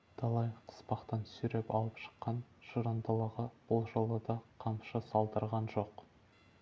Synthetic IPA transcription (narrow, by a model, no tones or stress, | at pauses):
d̪̥ɑlˠɑjqʰə̥spɑqt̪ɑnsʏɾepɑlˠəpʃə̥qːɑnʒəɾɑnd̪ɑlˠɑʁɑb̥ʊlˠʒɑlˠəd̪ɑqʰɑmʃəsɑlˠd̪əɾʁɑnʒoq